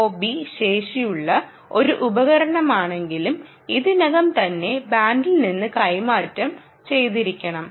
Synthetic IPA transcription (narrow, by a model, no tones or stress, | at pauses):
oːbiɕe̞ːʂijuɭːɐ | o̞ɾuʔubɐɣɐɾɐɳɐmaːɳe̞ŋɡilum | iðɨnɐɣɐmt̪ɐnːe̞baːnɖilninːɨkɐjmaːtːɐm | t͡ɕe̞jt̪iɾikʲːɐɳɐm